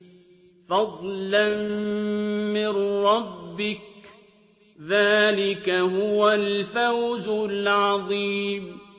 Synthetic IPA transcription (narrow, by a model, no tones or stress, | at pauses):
fɑd̪ˤlan | mɪnɾɑbːɪk | ðaːlɪkaɦʊwalfawzʊlʕɑðˤiːm